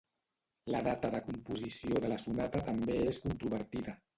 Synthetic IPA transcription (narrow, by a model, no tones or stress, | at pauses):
laðat̪əðəkumpuzisioðəlasunat̪at̪ambeeskunt̪ɾuβ̞əɾt̪iðə